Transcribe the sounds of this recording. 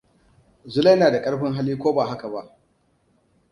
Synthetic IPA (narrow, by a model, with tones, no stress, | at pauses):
zʊ˦la˦jnaː˨da˨kʼɐ˦ɽɸɪ˦ŋɦa˦liː˦kʷoː˦baː˨ɦa˦ka˨ba˦ʔ